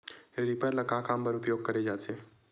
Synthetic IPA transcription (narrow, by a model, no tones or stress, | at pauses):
ɾipəɾlɐkakãːmpəɾʊpjoːɡ̚kɐɾed͡ʒaːt̪eː